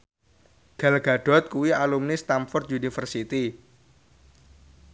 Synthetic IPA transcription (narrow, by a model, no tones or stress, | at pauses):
ɡ̥alɡ̥aɖ̥ɔ̤t̪̚kuwialumnist̪amfɔrt̪unifərsit̪i